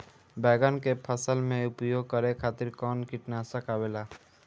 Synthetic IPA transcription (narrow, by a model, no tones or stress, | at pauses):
bɛːɡənkepʰəsəlmẽʊpjoːɡ̚kəɾekʰaːt̪ɪɾkɔːnkɪʈnasəkaːbeːlaː